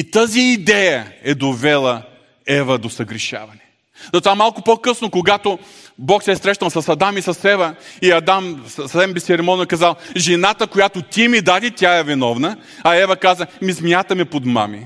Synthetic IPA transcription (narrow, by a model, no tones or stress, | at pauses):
it̪aziːd̪ɛjəɛd̪ovɛlˠə | ɛvɐd̪osɐɡɾiʃa̰vɐnɛ | zɐt̪ovamalˠkʊpokɤsnokoɡat̪o | bɔksɛsɾɛʃnɐlˠsɐsɐd̪amisɐsɛvɐiɐd̪amssɐsɛmbɛsɛɾɛmɔnoɛkɐzalˠʒɛnat̪əkojat̪ot̪ʲimid̪ad̪it̪ʲjaɛvinɔvnə | ɐɛvɐkazəmizmjat̪ɐmɛpod̪ma̰mḭ